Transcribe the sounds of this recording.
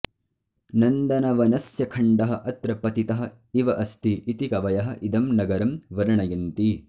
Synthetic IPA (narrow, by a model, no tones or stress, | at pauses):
nɐnd̪ɐnɐʋɐnɐsjɐkʰɐɳɖɐɦɐ̆ʔɐt̪ɾɐpɐt̪it̪ɐɦɐ̆ | iʋɐʔɐst̪iʔit̪ikɐʋɐjɐɦɐ̆ʔid̪ɐmnɐɡɐɾɐmʋɐɾɐɳɐjɐnt̪i